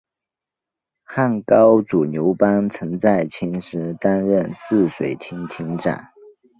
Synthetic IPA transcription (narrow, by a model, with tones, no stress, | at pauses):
xa˥˩nkɑ˥ʊt͡su˨˩njo˧˥ʊpa˥nt͡sʰɤ˧˥ŋt͡sa˥˩ɪt͡ɕʰi˧˥nʂɻ̩˧˥t̪a˥nɻə˥˨nsɹ̩˥˩ʂwe˨˩ɪt̪ʰi˧˥ŋt̪ʰi˧˥ŋʈ͡ʂa̰˨˩˦n